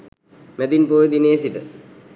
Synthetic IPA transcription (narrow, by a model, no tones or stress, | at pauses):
mɛd̪inpoːjed̪ineːsiʈə̰